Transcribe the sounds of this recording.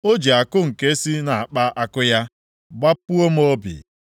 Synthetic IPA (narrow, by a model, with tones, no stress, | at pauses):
o˦d͡ʒi˨a˨kʊ˦ŋ̩˨ke˦si˦na˨a˨k͡pa˦ʔa˦kʊ˦ja˦ | ɡ͡ba˦pu˦o˦m̩˦o˦bḭ˨